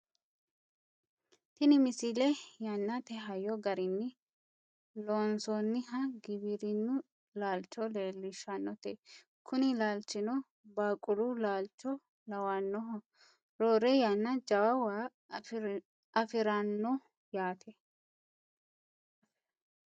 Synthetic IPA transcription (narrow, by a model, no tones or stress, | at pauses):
t̪ɪnɪmɪsɪlɛjɐnːɐt̪ɛɦɐjɔɡɐɾɪnːɪ | loːnsɔnːɪɦɐɡɪbɪɾɪnːʊ | laːlt͡ʃːɔleːlːɪʃːɐnːɔt̪e | kʰʊnɪlaːlt͡ʃːɪnɔ | baːkʼʊlulaːlt͡ʃːɔ | lɐwɐnːɔɦɔ | ɾoːɾɛjɐnːɐd͡ʒɐwɐwaː | ɐfɪɾɐnːɔ | jaːt̪ʰɛ